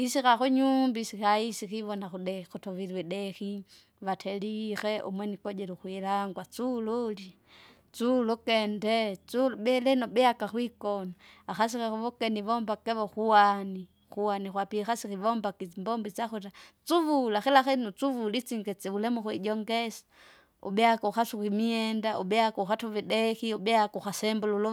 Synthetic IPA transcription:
isikaxuɲumbisixaisixiʋɔnaxuɗɛxutɔʋilwɛɗɛxi | ʋatʰɛlixɛʔṵmwɛnikɔd͡ʒɛluxwilaŋɡwat͡sululi | t͡sulukɛndɛt͡suluɓɛlɛnɔɓɛakaxwikɔnɔ | axas̬ikɛxuβɔkɛnivɔmbakɛβɔxuwani | xuwanixwapixasikivɔmbakimbɔmbit͡saxuɾat͡suvulaxɛlaxɛnut͡suvulit͡siŋɡɛt͡sɛulɛmuxwiɟɔŋɡɛsḁ | ṵɓɛakɔuxatukimiɛndaʔuɓɛakɔuxatɔviɗɛxiuɓɛakuxasɛmbululu

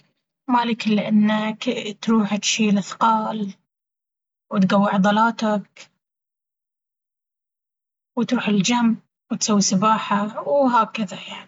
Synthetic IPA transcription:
maliːkɪlːʔɪnːakt̪ɾuːħt̪ʃiːlaθqɑːl | wɪt̪ɡawːɪʕd̪ˤɑlɑːt̪ak | wɪt̪ɾuːħɪld͡ʒamb | wɪt̪sawːisabaːħawɦaːkɪðajaʕni

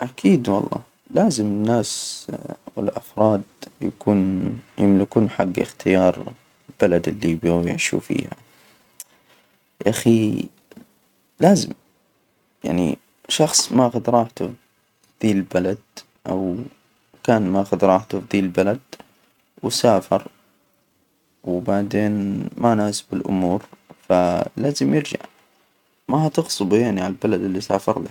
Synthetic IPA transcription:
ʔakʰiːd̪wɑ̰lˤːɑ̰ː | laːzɪmɪnːaːs | wɪ̰lʔɑfɾˤɑːd̪̚jakuːnjɪmlɪkuːnħaɡːɪ̰xt̪ʰɪjɑːɾˤ | lbalad̪ɪlːibjɪ̰ʕʃṵːfḭːha̰ | ʔaxi | laːzɪ̰m | ja̰ʕnḭ | ʃɑxsˤmaʔaxʊd̪ɾˤɑːħt̪ʊ | d̪̥iːllbalad̪̚ | ʔa̰w | kaːnmaʔxʊd̪ɾˤɑːħt̪ʊfd̪iːlbalad̪ | wsaːfɑɾˤ | wbaʕd̪eːnmanaːsbɪlʔʊ̰muːɾfalaːzɪmjɪɾd͡ʒa̰ʕ | maat̪ɪɣsˤʊbjaʕniʕallbalad̪ɪlːisaːfɑɾˤla

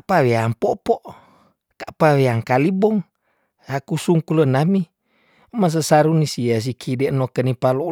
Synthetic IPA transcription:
apaweaŋpɔpɔʔ | kaʔpaweaŋkalibɔŋ | akusuŋkulənami | mas̬əsaɾunisias̬ikʰidɛʔnokənipalo

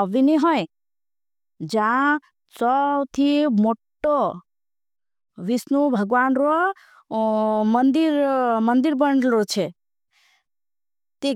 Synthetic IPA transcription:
əʋiniɦɔj | d͡ʒã | t͡sɔt̪ʰimoʈːo | ʋisnubʱəɡʋanɾo | mənd̪iɾmənd̪iɾbəɳɖɾot͡ʃʰe | t̪e

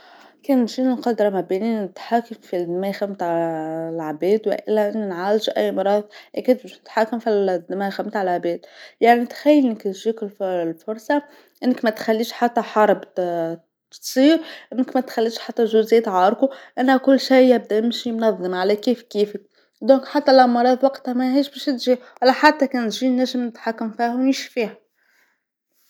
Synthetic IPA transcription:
keːnʒiːnɪnqɑd̪ɾˤɑmæbiːniːnɪt̪ħaːkamfid̪mæːxæmt̪ | lʕbɛːd̪wɪ̰ʔɪ̰lːæʔɪnːinʕaːld͡ʒʔæ̰jːmɑɾˤɑːðˤʔækɪd̪bɛʃnɪt̪ħaːkamfid̪mæxamt̪ʕalʕbɛːd̪jaʕnit̪xæjːlnɪkt̪ʒiːkɪlflfʊɾˤsˤɑ | ʔɪnːɪkmæt̪xælːiːʃħat̪ːæħɑɾˤb | t̪sˤiːɾʔɪnːəkmæt̪xælːiːʃħat̪ːæʒʊzæt̪ʕɑːɾˤkuʔænːækʊlːʃijjæb̚d̪æʔɪmʃimnɑðˤːəmʕalækiːfkiːfi | d̪ɔ̃ːkħat̪ːælʔɑmɑɾˤɑːd̪ˤwɑqt̪hæmæɦiːʃbɛːʃɪt̪ʒiːʔælːæħat̪ːækɛːnt̪ʒinæʒːəmnɪt̪ħakːæmfiːhwnɪʃfiːhæ

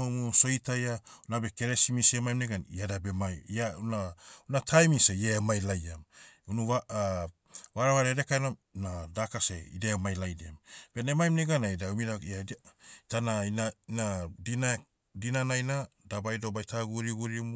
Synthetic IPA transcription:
omuso̞jtajaunabeke̞ɾesimisemajmneɡaniadabemajianaunatʰajmisejemajlajamunuaa | βaɾaβaɾeɾekaenom | nadakaseḭdemajlajdeamb̥enemajmneɡanajdaumidaiatanainainadina | dinanajnadabajdo̞bajtʰaɡuɾiɡuɾimu

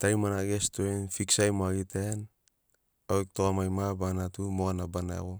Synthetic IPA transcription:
tajmanaɡestuenfiksajmaɡiten | aek̚toamajmabanatumoanabanaḛɣo

